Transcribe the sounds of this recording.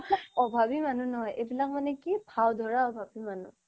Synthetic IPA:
ɔbʱabimanunɔɦɔjʔebilak̚manɛkibʱawdʱɔɹaɔbʱabimanṵ

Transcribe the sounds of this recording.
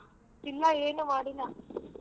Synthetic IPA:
ɪlːaːeːnɯʋaːɽinaː

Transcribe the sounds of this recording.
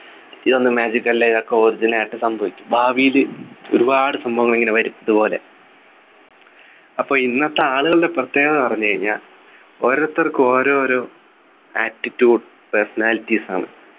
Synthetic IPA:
iðo̞nːɨmaːd͡ʑikːɐlːɐiðo̞kːe̞oːɾid͡ʑinaːjiʈːɨsɐmbʱɐʋikʲːu̥bʱaːʋijilɨo̰ɾubaːɽɨsɐmbʱɐʋɐŋːɐɭeŋɡilɨʋɐɾumɐðupo̞ːle̞̰ | ɐpːo̞ːinːɐt̪ːeaːɭuɣɐɭideprɐt̪ːe̞ːɣɐɨpɐrɐɲːukɐɻiɲːaːl | oːɾot̪ːɐrkːɨo̞ːɾo̞ːɾoː | aːtːitːjuːɽ | persɐnaːlitːisa̰ːɳɨ̰

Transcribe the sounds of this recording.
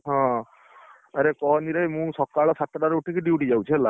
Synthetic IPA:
ɦɔ̃ | aɾekɔɦɔniɾejmũsɔkaɭɔsat̪ɔɖaɾuʈikiɖiuʈid͡ʒawt͡ʃʰiɛla

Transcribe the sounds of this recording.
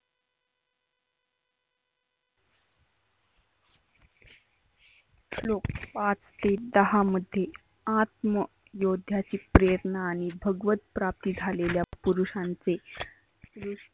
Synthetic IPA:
lok̚pat͡st̪ed̪əɦaməd̪ʱːje | at̪mə | jod̪ʱjat͡ɕiːpɾeɾəɳəaɽ̃ibʱəɡʋət̪̚pɾap̚t̪iːd͡zʱaleljapuɾuʂãnt͡se | ɾu

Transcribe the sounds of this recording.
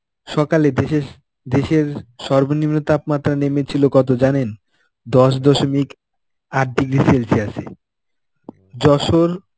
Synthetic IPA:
ʃɔkaled̪e | d̪eʃeɾʃɔɾbonimnot̪apmat̪ːɾanemet͡ɕʰilokɔt̪ʰod͡ʑanen | d̪ɔʃ̬d̪ɔʃomik | aʈ̚ɖiɡɾiselsiasʰḛ | d͡ʑɔʃoɾ

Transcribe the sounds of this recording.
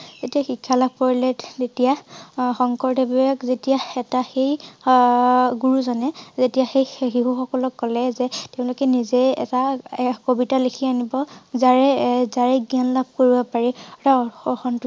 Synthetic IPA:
z̥etiaxikʰːalaɡ̚pɔɹilɛttetijaxɔŋkɔɹdebɔakzetiaɛtaxej | ɡuɹuzɔnɛzetijaxejxiɦuxɔkɔlɔkkɔlɛzɛteʊ̃lʊkɛnizeɛ̰takobitalekʰianibɔzaɹɛzaɹɛɡianlab̚koɹibɔpaɹitaɔxɔntʊ

